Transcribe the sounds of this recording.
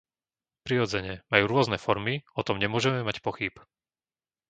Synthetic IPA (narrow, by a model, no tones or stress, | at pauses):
pɾiɾɔd͡zɛɲɛmajuːɾʊɔznɛfɔɾmiɔt̪ɔmɲɛmʊɔʒɛmɛmacpɔxip